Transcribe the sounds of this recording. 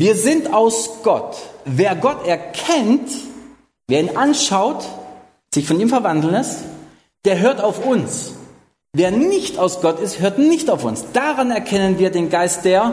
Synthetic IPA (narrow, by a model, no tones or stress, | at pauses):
viːɐzɪntaʊsɡ̥ɔtveːɐɡɔtɛɐkʰɛnt | v̥eːɐiːnʔanʃaʊt | z̥ɪçfɔniːmfɛɐvandl̩n̩ɛst | d̥eːɐɦøːɐtaʊfʊns | veːɐnɪçtaʊsɡ̥ɔtɪsthøːɐtnɪçtaʊfʊ̰nsd̥aʁanɛɐkʰɛnənviːɐdeːnɡaɪst̚d̥eːɐ